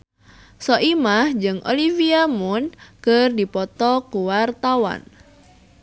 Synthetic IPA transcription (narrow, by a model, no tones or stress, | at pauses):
sɔʔimahd͡ʒɨŋʔo̰liviamʊnkərdipɔt̪ɔkuwart̪awa̰n